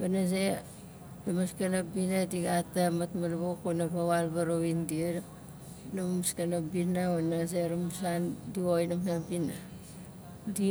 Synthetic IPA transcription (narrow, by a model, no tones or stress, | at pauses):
ɡanaze | ɾamaskanabinadiɡatamatmalβokonaβawalbaɾoβindieɾ | nammuskanabinaonazeɾamusandiojnamsabina | di